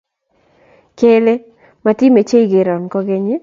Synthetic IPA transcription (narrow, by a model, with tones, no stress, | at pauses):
ke˦le˦ | ma˨ti˦me˨t͡ʃe˦i˨ɡɪ˨ɾɔ˨nkɔ˦ɡe˦ɲi˦